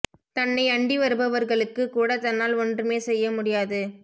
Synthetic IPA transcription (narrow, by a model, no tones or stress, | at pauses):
t̪ɐnːɐɪɐɳɖiʋɐɾɯbɐʋɐɾɣɐɭɯkːɯkuːɽɐt̪ɐnːaːlɔndrɯmeːsɛjːɐmʊɽɪjaːðɯ